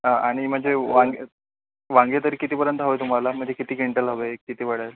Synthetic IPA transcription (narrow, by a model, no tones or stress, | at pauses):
ɦaaɽ̃im̤əɳd͡zeʋãŋɡe | ʋãŋɡet̪əɾiːkit̪iːpəɾjənt̪əɦəʋet̪um̤alam̤əɳd͡ʑekit̪iːkiɳʈəlɦəʋekit̪iːʋəɽəɾ